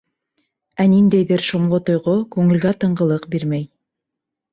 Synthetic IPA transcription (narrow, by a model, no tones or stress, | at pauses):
ænind̪æjðɘɾʃŏɴlˠot̪ŏjʁokʉŋɘ̆lɡæt̪ɤ̆ɴɢɤ̆lˠɤqbiɾmæj